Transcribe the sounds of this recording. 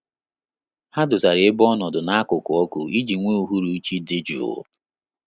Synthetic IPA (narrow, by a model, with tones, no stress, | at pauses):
ha˦dʊ˨sa˨ɾɪ˨e˦bɔ˦nɔ˨dʊ˨na˦kʊ˨kʊ˨ɔ˦kʊ˨i˦d͡ʒi˨ŋʷe˦u˨ɦu˦ɾu˨˦t͡ʃi˦dɪ˦d͡ʒṵ˨ʊ̰˦